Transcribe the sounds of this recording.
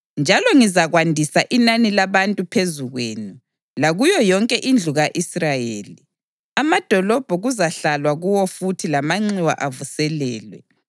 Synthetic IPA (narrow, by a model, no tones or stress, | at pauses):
nd͡ʒʱalɔŋizaɣwandʱisaʔinanilaβantʼupʰezuɣwḛːni | laɣujɔjɔŋkʼɛʔind͡ɮʱuɣaʔisrajeːli | amad̥ʱɔlɔb̥ʱɔɣuzaɬalwaɣuwɔfutʰilamaŋ͡ǀiwa̰ʔavusɛlɛːlwɛ̰